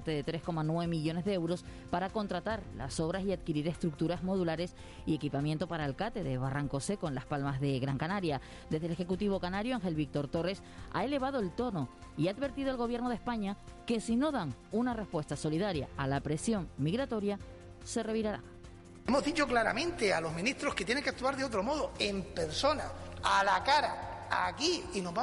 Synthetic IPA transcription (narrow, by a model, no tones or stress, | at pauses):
t̪eðe̞t̪ɾe̞sko̞manweβe̞miʎo̞ne̞zðeewɾo̞s | paɾako̞nt̪ɾat̪aɾla̰so̞β̞ɾasiad̪̚kiɾiɾe̞st̪ɾuk̚t̪uɾazmo̞ð̞ulaɾe̞s | ie̞kipamjent̪opaɾaelkat̪e̞ðe̞βaraŋko̞se̞ko̞enlaspalmazðe̞ɣɾaŋkanaɾja | d̪ezðele̞xe̞kut̪iβ̞o̞kanaɾjoaŋxe̞lβik̚t̪o̞ɾt̪o̞re̞s | a̰e̞le̞β̞að̞oe̞lt̪o̞no̞ | iaːd̪βe̞ɾt̪iðoe̞lɣo̞βje̞ɾno̞ð̞espaɲa | ke̞sino̞ðaŋ | unare̞spwe̞st̪aso̞liðaɾjaalapɾe̞sjo̞ŋmiɣɾat̪o̞ɾja | se̞re̞βiɾaɾa̰ | emo̞ɦðit͡ʃo̞klaɾa̰mẽ̞nt̪ealo̞zmĩniht̪ɾo̞hket̪jeneŋkeak̚t̪uaɾðeo̞t̪ɾo̞mo̞ðoempe̞ɾso̞naalakaɾa | a̰kiinoβa